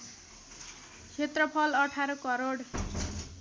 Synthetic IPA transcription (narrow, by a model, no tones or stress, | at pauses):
kʰet̪rʌpʰʌlʌʈʰaɾʌkʌɾoɽ